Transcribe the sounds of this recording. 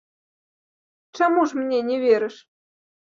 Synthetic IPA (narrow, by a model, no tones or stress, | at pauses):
t͡ɕamuʐmnʲenʲevʲeɾʲɘ̆ʂ